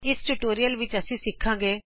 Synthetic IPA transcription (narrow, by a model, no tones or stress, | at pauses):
ɪsʈuʈoːɾijəlʋɪt͡ʃəsĩːsɪkʰːãːŋɡeː